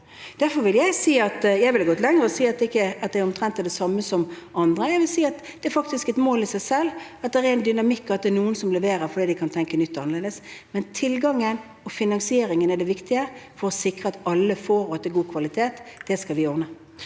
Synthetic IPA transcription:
d̪̥æɾfɔɾʋɪljæɪsiːɑt̪jæɪʋɪlɑɡɔt̪lɛŋɾəɔsiːɑt̪̚d̪ɛɪkːəɑt̪̚d̪ɛɾɔmt̪ʰɾɛnt̪ːd̪ɛsɑmːəsɔmɑnd̪ɾəjæɪʋɪlsiːɑt̪ | d̪̥ɛɛɾfɑkt̪ɪskɛt̪moːlɪsæɪsɛlːɑt̪̚d̪ɛɾɛɛɪnd̪ʏnɑmɪkːɑt̪̚d̪ɛnuːənsɔmlɛʋeːɾəfɔd̪iːd̪ɪkʰɑnt̪ʰɛŋkənʏt̪ːɑnəʁleːd̪əsmɛnt̪ʰɪlɡɑŋːən | ɔfɪnɑŋsɪeːɾɪŋənɛɖ̪ɛʋɪkt̪ɪəfɔɾɔsɪkɾəɑt̪ɑlːəfoːɾɔɛt̪ːɛɡuːkʰʋɑlɪt̪ʰeːt̪d̪̥ɛskɑlʋɪɔʁnə

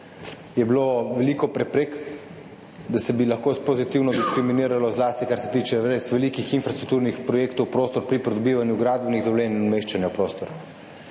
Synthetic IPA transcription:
jɛbiloʋɛliːkɔpɾɛpɾek | d̪asɛbilaxkopozit̪iːwnɔd̪iskɾiminiːɾalɔzlaːst̪ikaɾsɛt̪iːt͡ʃɛʋɾesʋɛliːkixinfɾast̪ɾukt̪uːɾnixpɾɔjeːkt̪owpɾoːst̪ɔɾpɾipɾɛd̪ɔbiːʋanjuɡɾaːd̪bniɣd̪ɔwleːninmeːʃt͡ʃanjapɾoːst̪ɔɾ

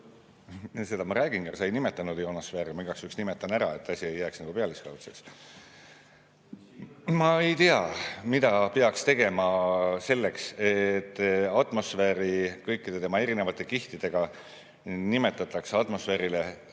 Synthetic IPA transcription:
se̞d̪̥ɑmɑɾæːɡ̥inɡɑrsɑjnime̞t̪ːˑɑnud̪jo̞nɑsfeːɾimiɡɑksyksnimet̪ːˑɑnæɾɑ̰e̞t̪ːˑɑsʲie̞jːæːksnɑɡ̥upe̞ɑliskɑwt̪seks | mɑe̞jt̪iɑmid̪ɑpe̞ɑkst̪e̞ɡ̥e̞mɑse̞lːe̞kset̪ːˑɑt̪ˑmo̞sfeːɾikɤjkːˑid̪̥e̞t̪e̞mɑe̞ɾine̞vɑt̪ːˑe̞kiht̪id̪̥e̞ɡ̥ɑ | nime̞t̪ːˑɑt̪ːˑɑksɑt̪mo̞sfe̞ːɾile

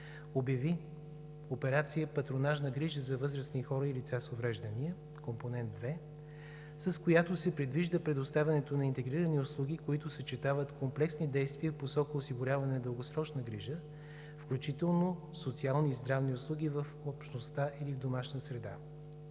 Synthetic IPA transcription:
objɐvi | opɛɾat̪sijəpɐt̪ɾonaʒnəɡɾiʒəzɐvɤzɾəsnixɔɾəilit̪sasovɾɛʒd̪əniə | komponɛntd̪̚d̪vɛ | sɐskojat̪osɛpɾɛd̪viʒd̪əpɾɛd̪ost̪avʲɐnɛt̪onɐint̪ɛɡɾiɾənioslˠuɡ̟ʲikoit̪ʊsət͡ʃɛt̪avət̪komplɛksnid̪ɛjst̪viəfposɔkəosiɡʊɾʲavɐnɛnɐd̪əlˠɡosɾɔt͡ʃnəɡɾiʒə | fklʲut͡ʃit̪ɛlˠno | sot̪sialˠnizd̪ɾavniʊslˠuɡ̟ivəfopʃnost̪aʔilivd̪omaʃnəsɾɛd̪a̰

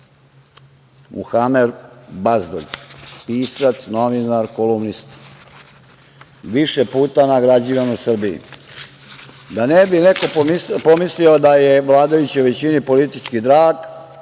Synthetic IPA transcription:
mʔṵxamed̪bazd̪o̰ɡpiːsat̪sno̞ʋinaɾkolumnist̪ | ʋiʃepuːt̪anaɡɾad͡ʑiʋanusr̩biḭ | d̪anebineko̞pomislio̞d̪ajeʋlˠaːd̪ajut͡ɕiuʋe̞t͡ɕinipo̞lit̪it͡ʃkid̪ɾaːɡ

